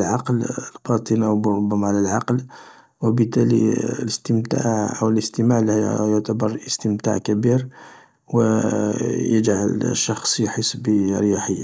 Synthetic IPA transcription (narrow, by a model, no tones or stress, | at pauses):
lʕɑqləlbɑt̪ˤənʔawbɾʊbːæmaʕlælʕɑql | wəbət̪ːælḭləst̪əmt̪a̰ʕʔəwləst̪əmaʕlhjʊʕt̪abɑɾˤəst̪əmt̪a̰ʕkæbiɾ | wə | jəd͡ʒʕa̰lʃːɑxsˤjħəsːbəɾjaħəjːa